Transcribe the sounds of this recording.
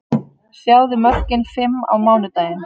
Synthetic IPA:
sjawðɪmœr̥cɪnfɪmːa̰wmaːwnʏt̪aːjɪn

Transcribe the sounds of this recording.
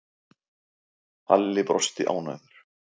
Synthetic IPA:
alːɪpɾɔst̪ɪʔa̰ːwna̰ːjðʏɾ̥

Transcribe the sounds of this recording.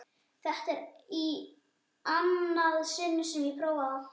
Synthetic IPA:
θɛħt̪ɪɾi | anːaðsɪnːʏsɛmjɛpʰɾowaða

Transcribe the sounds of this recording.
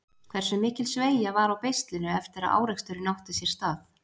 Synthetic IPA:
kʰv̥ɛɾ̥sʏmːɪːcɪlsveːjavaɾawpejst̪lɪnʏɛft̪ɪɾaðʔa̰ːwɾɛkst̪ʏɾɪnawht̪ɪsjɛɾ̥st̪aːθ

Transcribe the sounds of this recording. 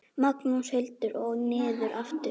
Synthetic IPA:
maknushejlt̪ʏɾɔɣnɪːðʏɾʔaft̪ɪ

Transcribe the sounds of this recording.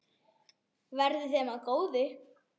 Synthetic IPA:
vɛɾðɪθɛːmakoːwðɪ

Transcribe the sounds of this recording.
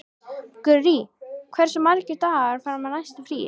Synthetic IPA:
kʏrikʰv̥ɛɾ̥sɛmːaɾcɪɾt̪aɾfaɾamanajst̪afɾḭ

